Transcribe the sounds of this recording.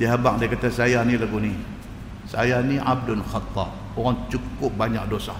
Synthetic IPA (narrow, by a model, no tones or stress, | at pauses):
diɦabak̚dakat̪asajanilaɡuni | sa̰janiab̚dʊnxɑt̪ːɑp̚ | oɣaŋt͡ʃukʊp̚baɲak̚dosa